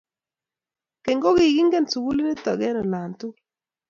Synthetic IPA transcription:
ke˨ŋɡo˦ɡɪ˨ɡi˦ŋɡe˦˨nsu˨ɡu˦li˦nɪ˦t̪ɔ˨ɡɛ˦nɔ˨la˨ntu˦

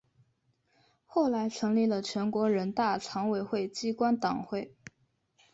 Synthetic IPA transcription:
xo˥˩ʊla˧˥ɪʈ͡ʂʰɤ˧˥ŋli˥˩lə˩t͡ɕʰɥɛ˧˥nkwɔ˧˥ɻə˧˥nt̪a˥˩ʈ͡ʂʰɑ˧˥ŋwe˨˩ɪxwe˥˩ɪt͡ɕi˥kwa˥nt̪ɑ˨˩ŋxwe˥˩ɪ

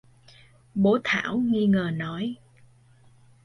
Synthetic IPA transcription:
ɓo˨˦t̪ʰa̰ː˧˩˨wŋi˧ŋəː˨˩nɔ˨˦j

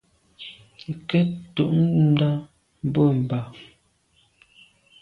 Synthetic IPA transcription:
ŋ˨kɛ˦tu˨ʔn˦n̩˦da˦ | m˦bo˦˨m̩˨ba˨

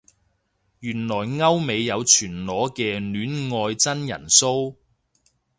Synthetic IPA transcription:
jyː˨˩nlɔː˨˩jŋɐ˥wme˨˧jːɐ˨˧wt͡ʃʰyː˨˩nlɔː˨˥kɛː˧nyː˨˥nŋɔː˧jt͡sɐ˥njɐ̰˨˩nso˥w

